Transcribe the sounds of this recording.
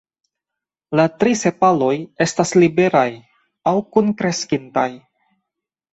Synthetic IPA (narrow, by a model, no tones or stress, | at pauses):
latɾise̞palo̞je̞staslibe̞ɾaj | awkunkɾe̞skintaj